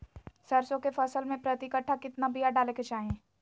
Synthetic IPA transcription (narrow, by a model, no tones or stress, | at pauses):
sɐɾsõkefʰɐsəlmẽpɾɐt̪ɪkəʈʰːakɪt̪nabijaɖaːleːket͡ʃaːɦẽː